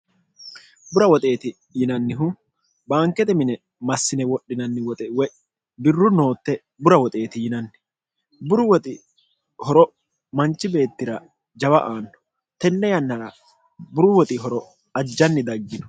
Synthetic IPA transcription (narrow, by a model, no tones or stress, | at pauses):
bʊɾɐwɔt̪ʼe̞ːt̪ɪ | jɪnɐnːɪɦʊ | bɐːŋkːɛt̪ɛmɪnɛ | mɐsːɪnɛwɔɗːɪnɐnːɪwɔt̪ʼɛwɛ | bɪrːʊno̞ːt̪ːɛ | bʊɾɐwɔt̪ʼe̞ːt̪ɪjɪnɐnːɪ | bʊɾʊwɔt̪ʼɪ | hɔɾɔ | mɐnt͡ʃːɪbe̞ːt̪ːɪɾɐ | d͡ʒɐbɐʔaːnːɔ̥ | t̪ɛnːɛjɐnːɐɾɐ | bʊɾʊwɔt̪ʼɪɦɔɾɔ | ɐd͡ʒːɐnːɪd̪ɐɡːɪnɔ